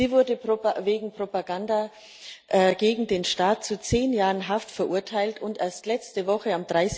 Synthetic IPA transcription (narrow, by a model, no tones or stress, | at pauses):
ziːvʊɐdəveːɡŋ̩pʁ̥opaɡanda | ʔɛɡeːɡŋ̩deːnʃtaːt̚t͡sut͡seːnjaːʁənɦaftfɛɐʔʊɐtʰaɪltʊntʔeːɐstlɛt͡stəvɔχəamd̥ʁaɪs